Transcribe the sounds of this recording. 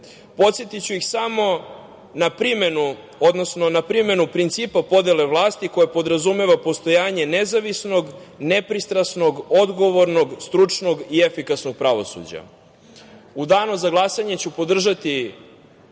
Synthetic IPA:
po̞t̪sjet̪it͡ɕuixsamo̞ | napɾimenu | o̞d̪nosno̞napɾime̞nupɾint̪siːpapo̞d̪ele̞ʋlˠaːst̪iko̞jepo̞d̪ɾazumeʋapo̞st̪o̞jaːɲe̞ne̞zaʋisnoɡ | ne̞pɾist̪ɾasno̞ɡo̞d̪ɡo̞ʋo̞ɾnoɡst̪ɾut͡ʂno̞ɡie̞fikasnoɡ̥̚pɾaʋo̞̰sṵd͡ʑa̰ | ud̪aːnuzaɡlˠasaɲet͡ɕupo̞d̪r̩ʒat̪i

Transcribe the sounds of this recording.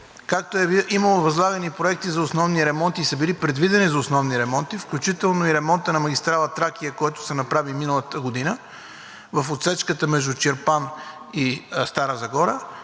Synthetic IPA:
kak̚t̪oɛbimɐlˠovɐzlˠaɡɐnipɾoɛk̚t̪izɐʊsnɔvniɾɛmɔnt̪iːsəbilipɾɛd̪vid̪ɛnizɐʊsnɔvniɾɛmɔnt̪ifklʲut͡ʃit̪ɛlˠnoiɾɛmɔnt̪ənɐmɐɡʲist̪ɾalˠɐt̪ɾakiəkɔjt̪ʊ̥sɛnɐpɾaviminəlˠət̪əɡod̪inə | vɐfot̪sɛt͡ʃkət̪əmɛʒd̪ut͡ʃɛɾpan | ist̪aɾəzɐɡɔɾə

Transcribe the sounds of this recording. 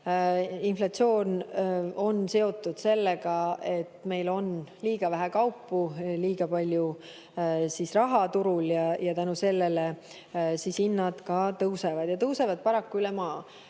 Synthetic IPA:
inflɑt̪sio̞ːn | o̞nse̞o̞t̪ːˑud̪̥se̞lːeɡɑe̞t̪ːˑme̞jlo̞nliːɡ̥ɑvæɦɛkɑwpːˑuliːɡ̥ɑpɑlʲju | sisrɑɦɑt̪uɾuljɑjɑt̪ænuse̞lːe̞le | sisinːɑd̪̥kɑt̪ɤwse̞vɑd̪̥jɑt̪ɤwse̞vɑd̪̥̚pɑɾɑkːuylɛmɑː

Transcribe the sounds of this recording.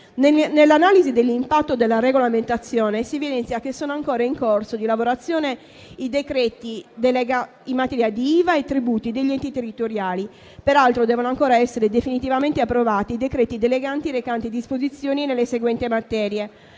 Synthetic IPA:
nenelːanaːlizid̪elːimpat̪ːod̪elːareɡolament̪at̪sːjɔːnesievid̪ɛnt̪sjakesːoːnoaŋkoːɾaiŋkorsod̪ilavoɾat̪sːjɔːne | id̪ekɾet̪id̪elɛɡa | immat̪ɛːɾjad̪iiːvaet̪ːɾibuːt̪id̪eʎːiɛnt̪it̪erːit̪oɾjaːli | peɾalt̪ɾod̪ɛːvonoaŋkɔːɾaɛsːeɾed̪efinit̪ivament̪eapːɾovaːt̪iːd̪ekɾeːt̪id̪eleɡant̪iɾekant̪id̪ispozit̪sːjoːninelːeseɡwɛnt̪emat̪ɛːɾje

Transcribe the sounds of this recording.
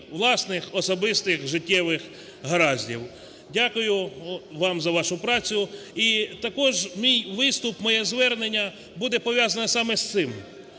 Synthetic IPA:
ʋlˠɑsnɪxɔsɔbɪst̪ɪxʒɪtʲːɛʋɪx | ɦɐɾɑzʲlʲḭw | dʲakʊjʊʋɑmzɐʋɑʃʊpɾɑt͡sʲʊit̪ɐkɔʒmʲijʋɪst̪ʊpmɔjɛzʋɛrnenʲːɐ | bud̪ɛpɔʋʲjazɐnɐsɑmɛst̪sɪm

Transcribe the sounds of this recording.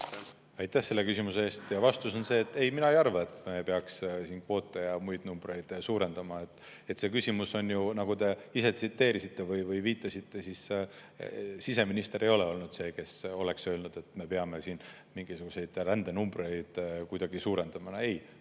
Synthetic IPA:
ɑjt̪ːˑæhse̞lːe̞kysimusee̞ːst̪jɑvɑst̪uso̞nse̞ːt̪ːˑe̞jminɑejɑrveet̪mepeɑkssiːnkvo̞ːt̪ːˑejɑmujd̪numb̥ɾe̞jd̪̥suːɾe̞nd̪̥ɑmɑe̞t̪ːˑ | e̞t̪se̞ːkysʲimuso̞njunɑɡut̪e̞ise̞t̪sit̪ːe̞ːɾisit̪ːe̞vɯjvɯjviːt̪ːˑɑsit̪ːe̞sis | sise̞minist̪e̞ɾʔe̞jo̞leo̞lnud̪̥se̞ːke̞so̞le̞ksøːlnud̪̥e̞t̪me̞pe̞ɑme̞siːn | miŋɡ̥isuɡ̥use̞jd̪̥rænd̪̥enumbɾe̞jd̪̥kujd̪̥ɑɡ̥isuːɾe̞nd̪̥ɑmɑnɑej

